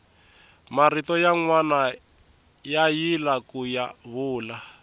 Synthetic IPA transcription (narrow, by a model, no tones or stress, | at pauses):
maritɔjaŋwana | jajilakujaβuːla